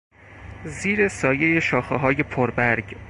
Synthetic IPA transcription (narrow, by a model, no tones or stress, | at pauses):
ziːɾesɒːje̞jeʃɒːxeɦɒːje̞pʰoɾbæɾɡ